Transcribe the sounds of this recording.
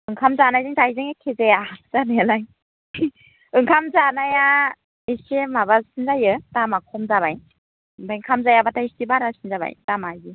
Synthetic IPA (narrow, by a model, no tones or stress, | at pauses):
ɯŋkʰamzanajzɯŋzajzɯŋekʰezejazanajalaj | ɯŋkʰamzanaja | esemabasinzajɯtamakʰɔmzaβaj | bajŋkʰamzajabatʰaistibaɾasinzaba̰jtamajɡi